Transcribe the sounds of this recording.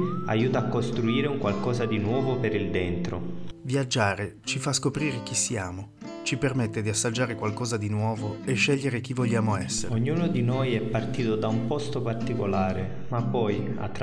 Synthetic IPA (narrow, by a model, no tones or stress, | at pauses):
a̰juːt̪aːkːost̪ɾuiːɾeuŋkwalkɔːzad̪inwɔːvopeɾild̪ɛnt̪ɾo̰vjad͡ʒːaːɾet͡ʃifaskopɾiːɾek̟isːijaːmo | t͡ʃipermet̪ːed̪iasːad͡ʒːaːɾekwalkɔːzad̪inwɔːvoeʃːɛʎːeɾek̟ivːoʎːaːmoɛsːeoɲːuːnod̪inojɛpːart̪iːt̪od̪aumpɔst̪opart̪ikolaːɾe | mapːɔj | a̰t̪ː